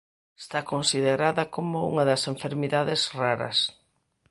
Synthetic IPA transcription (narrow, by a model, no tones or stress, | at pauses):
est̪akonsiðeɾaðɐkomʊṵŋɐðɐseɱfeɾmiðaðezraɾɐ̰s